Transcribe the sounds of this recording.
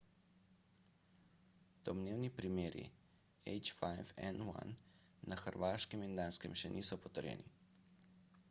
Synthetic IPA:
t̪ɔmneːwnipɾimeːɾḭ | ɛjt͡ʃfajfɛ̰nwa̰nː | axəɾʋaːʃkɛmind̪aːnskɛmʃɛnʔiːsɔpɔt̪əɾjɛ̰nḭ

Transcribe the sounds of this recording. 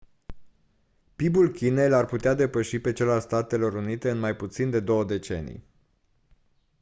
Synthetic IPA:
pibulkʲinelarput̪ead̪e̞pəʃipe̞t͡ʃe̞lalst̪at̪e̞lo̞ɾunit̪e̞ɨnmajput̪sind̪e̞d̪o̞wəd̪e̞t͡ʃe̞̰nḭj

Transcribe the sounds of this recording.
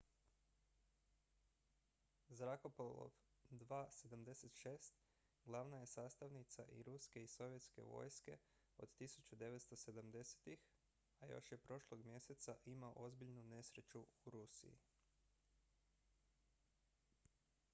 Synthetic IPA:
zɾako̞polˠo̰ʋ | d̪ʋaːse̞d̪amd̪e̞se̞t̪ʃeːst̪ | ɡlˠaʋnaje̞saːst̪aʋnit̪saʔḭɾuske̞iso̞ʋjet̪ske̞̰ʋo̞̰jske̞̰ | o̞̰d̪t̪isu̥t͡ɕud̪e̞ʋet̪st̪o̞se̞d̪amd̪e̞se̥t̪ix | ajo̞̰ʃjepɾo̞ʃlˠo̞ɡmje̞set̪saʔimao̰ʔo̞zbiʎnune̞sɾe̞t͡ʃuuɾusḭḭ

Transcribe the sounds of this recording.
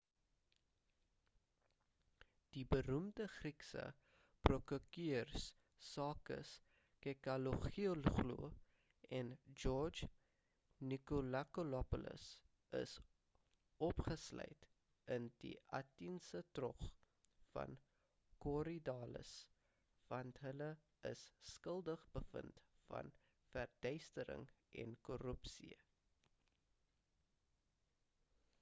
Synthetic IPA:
d̥ibəɾumdəχriksə̰ | prokəkiərsː | ɑːkə̰s | kɛkɐloχiolχlṵ | ɛnd͡ʒɔrd͡ʒ | nikolakolɔpulə̰s | ə̰s | ɔpχəslœ̰jt | əndḭʔɐtinsətrɔχ | fɐ̰n | kɔɾidɑːlə̰s | vɐntɦələ | ə̰sːkəlˠdəχbəfəntfɐ̰n | færdœɥstəɾə̰ŋ | ʔɛnkɔrəpsḭ

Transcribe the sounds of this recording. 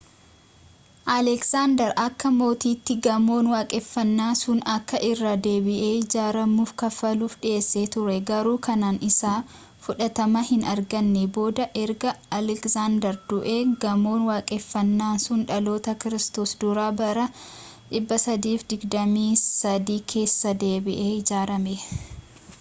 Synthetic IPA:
ʔɐlɛksaːnd̪ɛɾʔɐkːɐmo̞ːt̪iːt̪ːɪɡɐmo̞ːnwaːkʼɛfːɐnːaːsʊnɐkːɐʔɪrːaːd̪e̞ːbɪʔe̞ːd͡ʒaːɾɐmːuːfkɐfɐluːfᶑɪe̞ːsːe̞ːt̪ʊɾɛɡɐɾuːkʰɐnaːnɪsaː | fʊᶑɐt̪ɐmɐhɪnɐɾɡɐnːɛbo̞ːd̪ɐʔɛɾɡɐɐlɛkzaːnd̪ɛɾd̪ʊʔe̞ːɡɐmo̞ːnwaːkʼɛfːɐnːaːsʊnᶑɐlo̞ːt̪ɐkɪɾɪst̪o̞ːsd̪ʊɾaːbɐɾɐ | ᶑɪbːɐsɐd̪iːfd̪ɪɡd̪ɐmiːsɐd̪iːkʰe̞ːsːɐd̪e̞ːbɪʔeːɪd͡ʒaːɾɐme

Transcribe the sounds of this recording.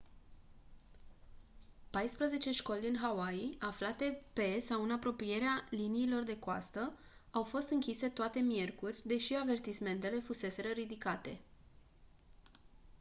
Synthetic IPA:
pajspɾəze̞t͡ʃe̞ʃko̞lʲd̪inɦawaiaflat̪e̞pe̞sawɨnapɾo̞pije̞ɾealiniːlo̞rd̪e̞koa̰st̪ə | awfo̞st̪ɨŋkʲise̞t̪oat̪e̞mije̞rkurʲd̪e̞ʃiave̞rt̪isme̞nt̪e̞le̞fuse̞se̞ɾəɾid̪ikat̪e̞

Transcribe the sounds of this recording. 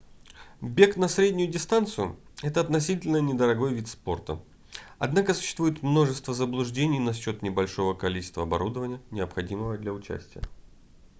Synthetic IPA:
bʲe̞knɐsɾʲedʲnʲʊjʊdʲɪst̪ant̪sɨjʊ̰ɛt̪əɐt̪nɐsʲitʲɪlʲnənʲɪd̪əɾɐɡo̞jvʲit̪spo̞rt̪ə̰ | ɐ̰d̪nakəsʊ̥ɕːst̪vujɪt̪mno̞ʐɨst̪vəzəblˠʊʐdʲenʲɪjnɐɕːo̞t̪nʲɪbɐlʲʂo̞vəkɐlʲit͡ɕɪ̥st̪vəɐbɐ̰ɾud̪əvənʲɪjənʲɪəpxɐdʲiməvəd̪lʲɐʊt͡ɕæ̰sʲtʲɪjə̰

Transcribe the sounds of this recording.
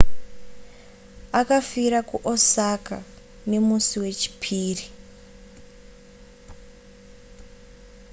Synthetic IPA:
akafiɾakuʔosaka̰ | ne̞musiwe̞t͡ʃi̥pʰiːri

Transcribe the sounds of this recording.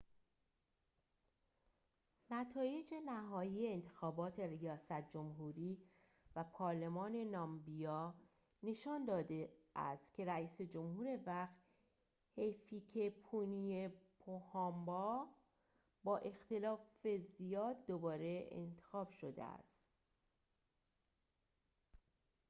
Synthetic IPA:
næt̪ʰɒːje̞d͡ʒe̞næɦɒːjiːeːnt̪ʰe̞xɒːbɒːt̪ʰe̞rijɒːsæt̪̚ʰd͡ʒo̞mɦuːɾiː | væpʰɒːɾle̞mɒːne̞nɒmbijɒː | ne̞ʃɒːnd̪ɒːd̪eʔæ̰st̪cʲʰe̞ɾæiːse̞d͡ʒo̞mhuːɾe̞væxt̪ | hefiːcʰepʰuniepʰohɑːmbɒː | bɒːʔe̞xt̪e̞lɒːfe̞zijɒːd̪ːobɒːɾe̞ḛnt̪ʰe̞̥xɒːbʃo̞d̪ḛæ̰st̪

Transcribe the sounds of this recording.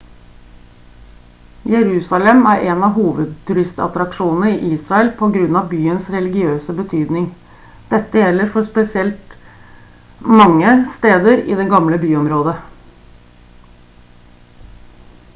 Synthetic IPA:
jɛɾʉːsɑlɛmæːɾʔeːnɑɦuːʋəd̪̚t̪ʰʉɾɪst̪ɑ̰t̪ɾɑkʂuːnən̩əɪːʔiːsɾɑəlpʰɔɡɾʉnːɑʋbyːənsɾɛlɪɡɪøːsəbət̪ʰyːd̪nɪŋ | d̪̥ɛt̪ːəjɛlːəɾfɔɾspɛsɪɛlt̪ | mɑŋːəst̪eːd̪əɾɪ̰d̪ɛɡɑmləbyːɔmɾoːd̪ə

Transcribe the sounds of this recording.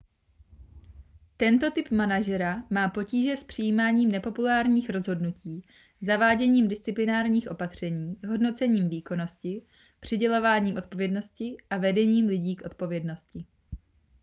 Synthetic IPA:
t̪ɛnt̪o̞t̪ɪpmanaʒɛɾamaːpo̞ciːʒɛspr̝̥ɪjiːmaːɲiːmnɛpo̞pulaːɾɲiːxɾo̞zɦo̞dnuciː | zavaːɟɛɲiːmdɪst͡sɪplɪnaːɾɲiːxʔo̞pat̪r̝̥ɛɲiːɦo̞dno̞t͡sɛɲiːmviːko̞no̞scɪ | pr̝̥ɪɟɛlo̞vaːɲiːmʔo̞t̪̚povjɛdno̞scɪʔavɛdɛɲiːmlɪɟiːkʔo̞t̪̚po̞vjɛdno̞scɪ

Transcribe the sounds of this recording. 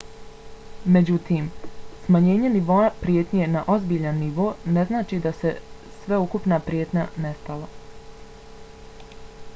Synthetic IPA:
me̞d͡ʑut̪iːmsmaɲe̞ːɲeniʋo̞apɾije̞t̪ɲenaʔo̞zbiːʎanːiʋo̞ːne̞znaːt͡ʃiːd̪ase̞ | sʋeukupnapɾje̞ːt̪ɲane̞st̪ala

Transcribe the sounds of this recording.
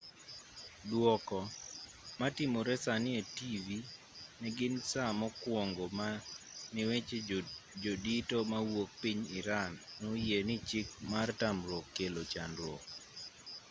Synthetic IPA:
dwɔkɔ | matɪmoɾɛsanɪetivi | nɛɡɪnsamɔkwɔŋɡomanɪwet͡ʃed͡ʒoditomawok̚piɲɪɾanːojenɪt͡ʃɪkmartamɾokːelot͡ʃandwo̰

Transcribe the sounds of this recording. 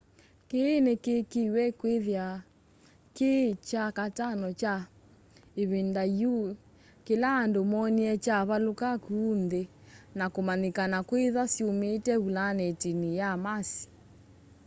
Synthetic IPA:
keːnekekiwɛkweðja | ket͡ʃakatanɔt͡ʃa | eβendaju | kelaːndomɔniɛt͡ʃaβalokakunde | nakomanikanakweðasiometɛβulanɛtinijamasi̥

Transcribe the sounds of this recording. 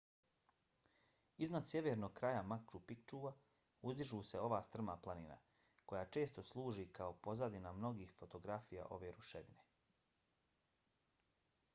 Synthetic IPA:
iznad̪sjeʋeɾnoɡ̚kɾajamakɾupik̚t͡ʃuːʋa | uzd̪iʒuːse̞o̞ʋaːst̪r̩maplˠanina̰ | ko̞jaːt͡ʃe̞ːst̪o̞slˠuːʒikao̞po̞zad̪inamno̞ɡiːxfot̪o̞ɡɾafija̰ʔo̞̰ʋe̞ːɾuʃed̪ine

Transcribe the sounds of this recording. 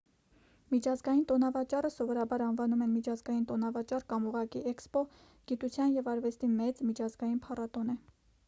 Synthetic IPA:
mit͡ʃʰɑzɡɑjint̪ɔnɑvɑt͡ʃɑrəsɔvɔɾɑbɑɾɑnvɑnumɛnmit͡ʃʰɑzɡɑjint̪ɔnɑvɑt͡ʃɑrkɑmuʁɑkiɛkspɔ | ɡ̥it̪ut͡sʰjɑnjɛvɑɾvɛst̪imɛt͡smit͡ʃʰɑzɡɑjinpʰɑrɑt̪ɔnɛ

